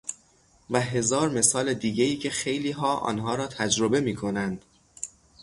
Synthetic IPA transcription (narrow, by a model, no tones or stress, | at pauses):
væɦe̞zɒːɾme̞sɒːled̪iːɟeiːcʰe̞xe̞jliːɦɒːʔɒ̰ːnɦɒːɾɒːt̪ʰæd͡ʒɾo̞be̞miːkʰo̞nænd̪̥